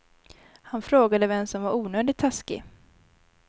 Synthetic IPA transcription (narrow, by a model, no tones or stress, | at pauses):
hanfɾoːɡad̪əvɛmsɔmvaɾuːnøːd̪ɪt̪ʰːaskɪ̰